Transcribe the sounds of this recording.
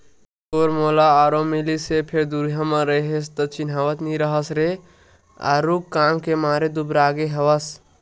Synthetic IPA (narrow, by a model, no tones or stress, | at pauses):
koːɾmoːlaaːɾomilisepʰeɾd̪uɾɦãmə̃ɾəɦest̪ət͡ʃɪnɦaːʋət̪nĩɾəɦəsɾe | a̰ːɾukkːaːmkemaːɾed̪ubɾaːɡeɦɐʋəs